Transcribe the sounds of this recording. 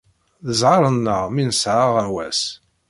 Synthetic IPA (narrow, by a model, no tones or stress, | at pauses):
ðəzʕɑɾˤənːəʁminsʕaʁænwæs